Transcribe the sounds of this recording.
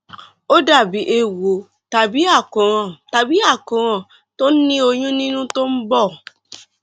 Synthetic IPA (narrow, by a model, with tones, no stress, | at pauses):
o˦da˦˨bi˨˦ʔe˧wo˨ | ta˨bi˨˦a˦˨kũ˨ɾ̃ɔ̃˨ta˨bi˨˦a˦˨kũ˨ɾ̃ɔ̃˨ | to˦n̩˦nĩ˦o˧ɲũ˦nĩ˦nũ˦to˦m̩˦bɔ˦˨